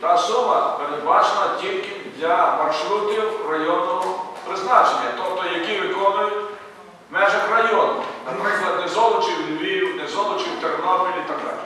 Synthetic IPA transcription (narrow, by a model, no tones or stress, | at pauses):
t̪ɑsumɐpeɾed̪bɑt͡ʃenɐtʲilʲkɪd̪lʲɐmɐrʃɾut̪ʲiwrɐjɔnːɔɦɔpɾɪznɑt͡ʃenʲːɐt̪ɔpt̪ɔjɐkiʋɪk̪ɔʋɐɪtʲ | mɛʒɐxrɐjɔnɐmnɐpɾɪklˠɐd̪nɛzɔlˠɔt͡ʃiwlʲɪʋʲijiwnɛzɔlˠɔt͡ʃiwt̪eɾnɔpʲilʲiit̪ɐɡ̚d̪ɑ̰lʲ